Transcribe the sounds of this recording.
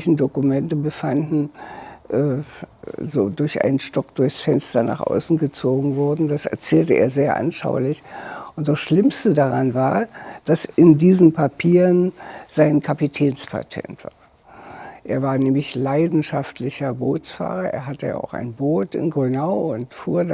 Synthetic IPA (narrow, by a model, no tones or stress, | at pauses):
çn̩dokumɛntəbəfandn̩ʔɛː | zoːdʊɐçʔa̰ɪnənʃtɔk̚d̥ʊɐçsfɛnstɐna̰ːχʔa̰ʊsn̩ɡət͡soːɡŋ̩vʊɐdn̩dasɛ̰ɐt͡sɛːltəʔeːɐzeːɐʔa̰nʃa̰ʊlɪçʔʊnt̚d̥asʃlɪmstədaʁanvaːɐd̥asɪndiːzn̩pʰapʰiːʁənz̥aɪnkʰapitʰɛːnspʰa̰tʰɛ̰ntv̥a̰ːɐ | ʔeːɐvaːɐnɛːmlɪçlaɪdn̩ʃaftlɪçɐboːsfa̰ːʁɐʔḛːɐɦatəja̰ʔa̰ʊxa̰ɪnboːtɪ̰nɡʁynaʊʊntfuːɐd